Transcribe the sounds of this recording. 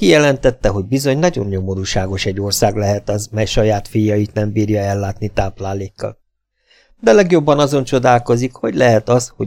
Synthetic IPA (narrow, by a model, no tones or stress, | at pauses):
ijɛlɛnt̪ɛt̪ːɛɦo̞ɟbizo̞ɲnɒɟo̞̰nɲo̞mo̞ɾuːʃaːɡo̞ʃɛɟːo̞rsaːɡlɛɦɛt̪ɒzmɛjʃɒjaːt̪fijːɒjit̪nɛmbiːɾjɒɛlːaːt̪nit̪aːplaːleːkːɒ̰l | d̪ɛlɛɡjo̞bːɒnɒzo̞nt͡ʃo̞d̪aːlko̞zikho̞ɟlɛɦɛt̪ɒsho